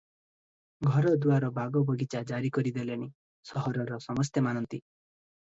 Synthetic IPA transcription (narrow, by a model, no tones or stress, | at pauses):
ɡʱɔɾɔd̪uaɾɔbaɡɔbɔɡʱit͡ʃad͡ʒaɾikɔɾid̪eleni | sɔɦɔɾɔɾɔsɔmɔs̬t̪emanɔnt̪i